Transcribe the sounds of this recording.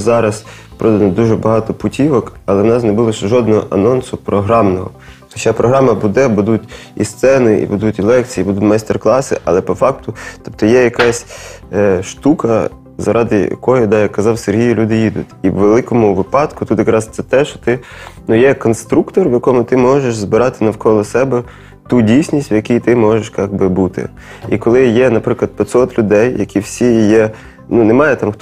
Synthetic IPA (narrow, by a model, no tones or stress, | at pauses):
zɑɾɐs | pɾɔd̪ɐnɔd̪uʒɛbɐɦɑt̪ɔpʊtʲiʋɔkɐlˠɛwnɑsnɛbulˠɔʃʒɔd̪̚nɔɦɔ̰ʔɐ̰nɔnsʊpɾɔɦɾɑmnɔɦɔ̰ | xɔt͡ʃɑpɾʔɔɦɾɑmɐbud̪ɛbud̪utʲḭst̪sɛnɪʔḭbʊd̪utʲilˠɛk̚t͡sʲibud̪ut̪ʲmɑst̪erklˠɑsɪ̰ʔɐlˠɛpɔfɑk̚t̪ʊt̪ɔp̚t̪ɔjɛjɐkɑsʲ | ʃt̪ukɐ | zɐɾʔɑd̪ɪjɐ̰kɔjɔd̪ɑjɐkːɐzɑwserɦʲijʊlʲud̪ɪjid̪ʊ̰tʲiwʋelˠɪkɔmʊʋɪpɑt̪kʊt̪ut̪jɐkɾɑst̪sɛt̪ɛʃt͡ʃɔ̥t̪ɪnujɛkɔnst̪ɾukt̪ɔrʋjɐkɔmʊt̪ɪmɔʒeʃzbɪɾɑt̪ɪnɐwkɔlˠɔsɛbɛ | t̪udʲijsʲnʲisʲtʲwjɐkʲijt̪ɪmɔʒeʃkɑɡbɪbut̪ɪ̰ | ikɔlˠɪjɛnɐpɾɪklˠɐd̪pʲɪt̪sɔt̪lʲʊd̪ɛjjɐkʲiwsʲijɛ | nunemɑjɛt̪ɑmxt̪